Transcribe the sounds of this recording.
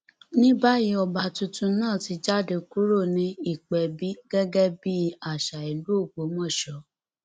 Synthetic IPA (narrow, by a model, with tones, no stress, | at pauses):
nĩ˦ba˦ji˧˦ɔ˧ba˨tũ˧tũ˧˦nãː˦˨ti˧d͡ʒa˦˨de˧ku˦ɾo˦˨nĩ˧i˦˨k͡pɛ˨bi˦ɡɛ˦ɡɛ˦bi˦a˨ʃa˨i˨lu˨˦o˦˨ɡ͡bo˨˦mɔ̃˦˨ʃɔ˨˦